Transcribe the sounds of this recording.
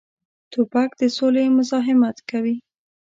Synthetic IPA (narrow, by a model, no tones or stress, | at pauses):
t̪upakd̪əsolemʊzɑɦɪmat̪kawi